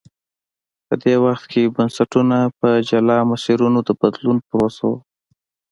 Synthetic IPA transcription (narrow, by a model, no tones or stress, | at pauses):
pəd̪ewaxt̪kʰebənsaʈunapəd͡ʒalɑmʊsiɾunod̪əbad̪lunpɾosa̰